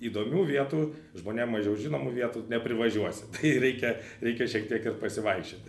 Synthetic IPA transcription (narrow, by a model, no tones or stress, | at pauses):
iːd̪oːmʲuːʋʲiɛt̪uː | ʒmoːnʲiɛmːɐʒʲɛʊʒʲinoːmuːʋʲiɛt̪uːnʲɛpʲɾʲɪʋɐʒʲuɔsʲɪ̥t̪ɐɪɾʲɛɪkʲɛ | ɾʲɛɪkʲɛʃʲiɛkt̪ʲiɛkɪrpɐsʲɪʋɐɪkʃʲoːt̪